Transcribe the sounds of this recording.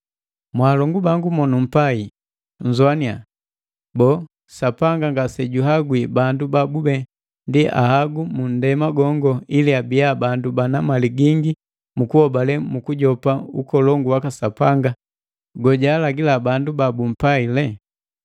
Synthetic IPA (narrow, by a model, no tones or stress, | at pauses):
mwaːlɔŋɡubaŋɡumɔnum̩pai | ɲ̩zuania | bɔ | sapaŋɡaŋɡasɛɟuɦaɡwibandubabubɛ | ndiʔa̰haɡumun̩dɛmaɡɔŋɡɔiliabiabandubanamaliɡiŋɡi | mukuhɔbalɛmukuɟɔpaukɔlɔŋɡuwakasapaŋɡa | ɡɔɟaːlaɡilabandubabum̩pailɛ